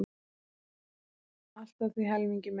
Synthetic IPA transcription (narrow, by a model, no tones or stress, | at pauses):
al̥t̪aθviɦɛlmiɲcɪm